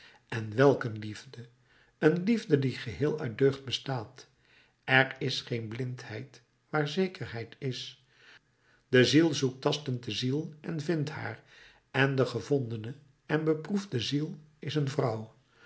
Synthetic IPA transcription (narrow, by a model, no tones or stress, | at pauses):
ɛnʋɛlˠkənlivdə | ənlivdədiχəɦɪːlˠœɥd̚døɥχt̚bəstaːt | ʔɛɹɪsχejnblɪnthɛjt | ʋaːɹzejkəɹɦɛjtɪs | d̥əzilˠzuk̚tɑstəntdəzilˠʔɛnvɪntha̰ːr | ɛndəχəvɔndənə | ɛnbəpruvdəzilˠɪsənvrʌw